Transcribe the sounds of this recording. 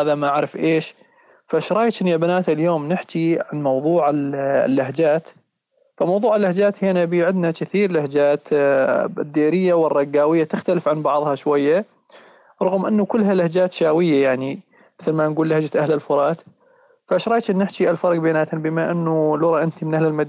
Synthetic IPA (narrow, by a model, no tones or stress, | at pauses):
aːðamaʔaʕɾɪfʔeːʃ | faʔʃɾˤɑːjt͡ʃ̪ʔɪnjabanaːt̪ɪljoːmnɪħkiʕanmɑwðˤuːʕɪl̰lːaɦd͡ʒaːt̪ | famɑwðˤuːʕɪlːahd͡ʒaːt̪heːnabiːʕɪd̪nakɪθiːɾlahd͡ʒaːt̪ | d̪ːiːɾɪjːawɨrˤːɑɡːaːwɪjːat̪ɪxt̪alɪfʕanbɑʕðˤhɑʃwajːa | ɾˤɑɣmʔɪnːukʊlːɦalahd͡ʒaːt̪ʃaːwɪjːajaʕni | mɪθlmanɡuːlːahd͡ʒat̪ʔahlɪlfʊɾˤɑːt̪ | faʃɾˤɑːjt͡ʃ̪ʔɪnːɪħt͡ʃiʔalfɑɾˤɡbanaːt̪nbɪmaʔɪnːulʊɾˤɑʔɪnt̪imɪnʔahlɪlmad̪